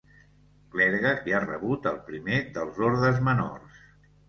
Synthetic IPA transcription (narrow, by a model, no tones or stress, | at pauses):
klɛɾɣəiarəβut̪əlˠpɾimeðəlˠzoɾðəzməno̰rs